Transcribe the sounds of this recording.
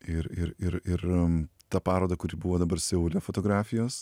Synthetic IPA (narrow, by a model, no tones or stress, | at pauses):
ɪɾɪɾɪɾɪɾt̪ɐpɑːɾoːd̪ɐkʊɾʲiːbuʋoːd̪ɐbɐɾsʲɛʊlʲɛfoːt̪oːɡɾɑːfʲɪjoːs